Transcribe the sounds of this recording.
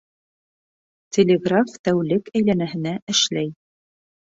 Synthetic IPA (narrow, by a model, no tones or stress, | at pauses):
t̪ʲelʲeɡraft̪æwlɘkæjlænæɦɘ̆næʔɘ̆ʃlæj